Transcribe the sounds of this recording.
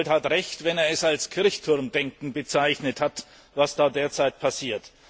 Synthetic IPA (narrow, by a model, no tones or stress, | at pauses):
lthatʁɛçtvɛneːɐɛsalskʰɪɐçtʰʊɐmdɛŋkŋ̩bət͡saɪçnəthat | vasd̥aːdeːɐt͡saɪt̚pʰasiːɐt